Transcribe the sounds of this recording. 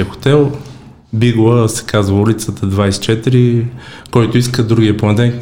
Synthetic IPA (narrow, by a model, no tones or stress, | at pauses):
əxo̥t̪ɛlˠ | biɡlˠəsɛ̥kazvəulʲit̪sət̪əd̪vajsɛ̥t͡ʃɛt̪iɾi | kɔjt̪ʊiskəd̪ɾuɡʲijəplˠɐnd̪ɛn